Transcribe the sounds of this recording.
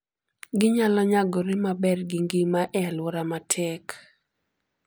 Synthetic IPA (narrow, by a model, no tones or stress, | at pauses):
ɡɪɲalɔɲaɡɔɾɪmabɛrɡɪŋɡɪmaʔɛalwɔɾamatʰɛk